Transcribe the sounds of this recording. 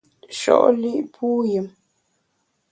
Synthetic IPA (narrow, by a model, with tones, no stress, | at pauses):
ʃɔ̰˦˨ʔli˦˨ʔpʰu˦jə˨m